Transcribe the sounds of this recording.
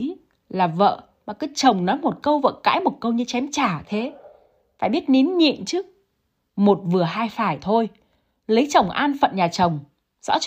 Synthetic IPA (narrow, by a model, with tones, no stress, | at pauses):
laː˨˩və̰ː˧˨ | maː˨˩kə˨˦t͡ɕə˨˩wŋ͡mnɔ˨˦jmo˨˩t̚kə˧wvə̰ː˧˨ka̰ː˧˥jmo˨˩t̚kə˧wɲɨ˧t͡ɕɛ˨˦mt͡ɕaː˧˩t̪ʰe˨˦ | fa̰ː˧˨jɓi˦˥ət̚ni˨˦nɲḭ˧˨ənt͡ɕɨ˦˥k̚ | mo˨˩t̚vɨ˨˩əɦaː˧jfaː˧˩jt̪ʰo˧j | lə˨˦jt͡ɕə˨˩wŋ͡mʔaː˧nfə̰˧˨nɲaː˨˩t͡ɕə˨˩wŋ͡m | zɔ̰˧˥t͡ɕ